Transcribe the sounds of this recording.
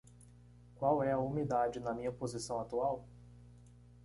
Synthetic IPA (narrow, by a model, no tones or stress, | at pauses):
kwawɛɐumid̪ad͡ʒɪnɐmĩɲɐpozisɐ̃w̃at̪uaw